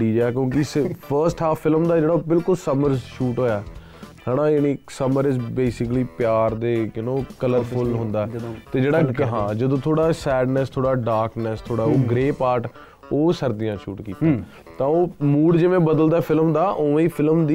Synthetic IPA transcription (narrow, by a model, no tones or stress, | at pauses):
ɽiːd͡ʒaɛkjõːkɪspʰəɾsʈaːpʰːɪlmd̪aːd͡ʒeːɽaːbɪlkʊlsəməɾzʃuːʈɦoːjaːɛ | t̪ʰaːɽãːjaːniːsəməɾɪsbeːsɪkliːpjaːɾd̪eːjənõːkələɾpʰʊlɦʊ̃nd̪aːɛːt̪eːd͡ʒeːɽaːɦãːd͡ʒəd̪õːt̪ʰoːɽaːsɛːɖnəst̪ʰoːɽaːɖaːɾknɛst̪ʰoːɽaːoːɡɾeːpaːɾʈ | oːsəɾd̪ɪjãːʃuːʈkiːt̪a | t̪ãːoːmuːɽd͡ʒɪʋẽːbəd̪əld̪aːɛpʰɪlmd̪aːʔoːẽiːpʰɪlmd̪iː